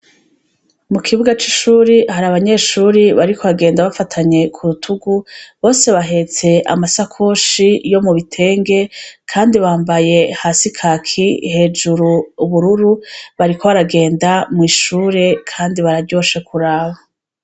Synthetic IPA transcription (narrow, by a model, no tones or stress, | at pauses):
mukʰiβuɡat͡ʃiʃuːɾihaɾaːβaɲe̞ːʃuːɾiβaɾikʰoβaɡe̞ːndaβafatʰaɲe̞kʰuɾutʰuɡuβo̞ːse̞βaɦe̞t͡se̞ʔa̰masakʰoːʃijo̞muβitʰe̞ːŋɡe̞kʰaːndiβaːmbaje̞haːsikʰakʰihe̞d͡ʒuɾuːβuɾuɾuβaɾikʰo̞βaɾaɡe̞ːndamŋiːʃuːɾe̞kʰaːndiβaɾaɾɟo̞ːʃekʰuɾaːβa